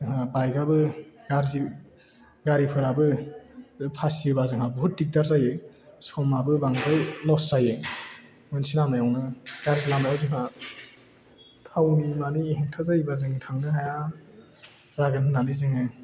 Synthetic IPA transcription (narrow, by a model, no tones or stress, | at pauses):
zɯŋhabajɡabɯɡaɾzi | ɡaɾipʰɯɾabɯ | pʰasibazɯŋɦabuɦut̚dik̚daɾzajɯ | sɔmabɯbaŋzajlɔsz̥aje | mɯnsinamnajawnaɡ̥aɾzilamnajawzɯŋa | tʰawnimanihiŋtʰazajbazɯŋtʰaŋnɯɦaja | zaɡɯŋɯnanizɯŋɯ